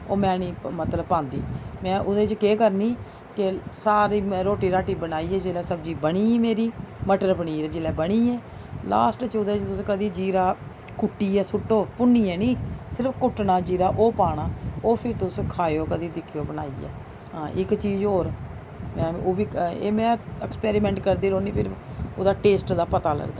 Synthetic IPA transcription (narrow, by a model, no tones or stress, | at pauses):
oːmɛ̃ːnĩːmət̪ləbpãːnd̪ḭːmɛ̃ːʔʊd̪ẽt͡ʃkeːkəɾniː | kesaːɾiːɾoːʈiːɾaːʈiːbənaːiːɛːd͡ʒeːlɛːsəbd͡ʒiːbəɽiːmeːɾiːməʈəɾbəɽiːəd͡ʒeːlɛːbəɽ̃iːɛː | la̰ːsʈt͡ʃʊd̪eːt͡ʃt̪ʊskəd̪iːd͡ʒiːɾaː | kʊʈːiːɛːsʊʈːoːpʊnːiːɛːnĩːsɪɾəpʰkʊʈnaːd͡ʒiːɾaːʔoːpaːɽ̃aːoːpʰɪɾt̪ʊskʰaːjoːkəd̪iːd̪ɪkʰːijoːbəna̰ːḭːɛ̰ː | ɦãːʔɪkt͡ʃiːzɦoːɾ | mɛ̃ːoːʋiːḛːmɛ̃ːɛkspɛːɾimɛ̃ːɳʈkəɾd̪iːɾoːniːpʰɪɾo̰d̪aːʈeːsʈd̪aːpət̪aːlə̰ɡd̪a̰ː